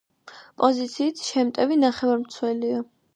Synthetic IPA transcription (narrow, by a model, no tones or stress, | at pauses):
pʼɔzit̪sʰiːt̪ʰʃɛmt̪ʼɛvinaχɛvaɾmt̪sʰwɛlia